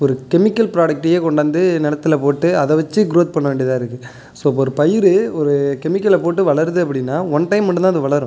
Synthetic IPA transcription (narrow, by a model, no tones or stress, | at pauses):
ɔɾɯkɛmɪkːɐlpɪɾaːɽɐk̚ʈːɪjeːkɔɳɖaːnd̪ɯnɛɽɐt̪ːɪlɐpoːʈːɯɐðɛʋɐt͡ʃːɯɡɾoːt̪̚pɐɳːɐʋeːɳɖiɪɐt̪ãːɪɾɯkːɯ | soːpːɐɔɾɯpɐjɪɾɯɔɾɯkɛmɪkːɐlɛpoːʈːɯʋɐɭɐɾðɯɐpːɐɽɪnːaːɔnʈɐɪmːɐʈːɖɯnãːɐðɯʋɐɭɐɾɯ̃